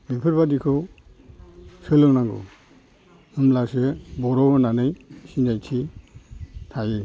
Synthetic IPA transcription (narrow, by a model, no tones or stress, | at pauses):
bipʰɯɾbadikʰɯw | sɯlɯŋnaŋɡɔ̰ | ɯmlasebɔɾɔɡɯnanɯjsinajtʰi | tʰajɯ